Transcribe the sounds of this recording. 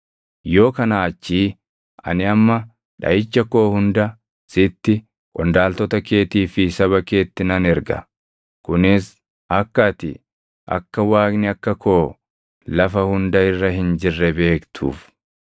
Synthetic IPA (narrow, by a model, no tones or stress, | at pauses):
jo̞ːkɐnaːɐt͡ʃːiː | ʔɐ̰nɪɐmːɐ | ᶑɐ̰ʔɪt͡ʃːɐko̞ːhʊnd̪ɐ | sɪt̪ːɪ | kʼɔnd̪aːlt̪ɔt̪ɐke̞ːt̪iːfɪsɐβɐke̞ːt̪ːɪnɐnɛɾɡɐ̰ | kʊnɪs | ʔɐkːɐt̪ɪ̰ | ʔɐ̰kːɐwaːknɪɐkːɐko̞ː | lɐfɐhʊnd̪ɐɪrːɐɦɪnd͡ʒɪrːɛbe̞ːkt̪ʰṵːf